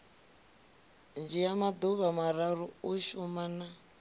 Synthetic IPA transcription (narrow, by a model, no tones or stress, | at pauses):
nd͡ʒijamad̪uβamaɾaɾuuʃumana